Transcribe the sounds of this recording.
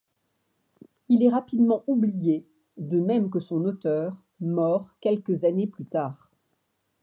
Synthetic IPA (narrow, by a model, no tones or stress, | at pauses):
ilɛʁapid̪mɑ̃ublije | d̪əmɛmk̬əsɔ̃not̪œːʁ | mɔʁkʲɛlkəzaneplyt̪aːʁ